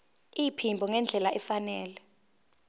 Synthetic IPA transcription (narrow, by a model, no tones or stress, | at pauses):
ipʰimbʱɔŋɛnd͡ɮʱɛlaʔɛfanɛːlɛ